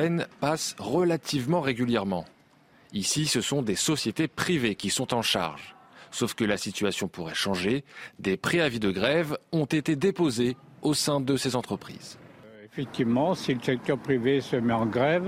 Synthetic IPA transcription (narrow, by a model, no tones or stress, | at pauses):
ɛnpasʁəlat̪ʰivmɑ̃ʁeɡʲyljɛʁmɑ̃ | isisəsɔ̃d̪esɔsjet̪epχivekʲisɔ̃t̪ɑ̃ʃa̰ʁʒsofkəlasit̪yasjɔ̃puʁɛʃɑ̃ʒed̪epχeavid̪əɡʁɛvɔ̃t̪et̪ed̪epoze | osɛ̃d̪əsezɑ̃t̪χəpχḭːzefɛk̚t̪ivmɑ̃siləsɛk̚t̪œʁpχivesəmɛɑ̃ɡʁɛv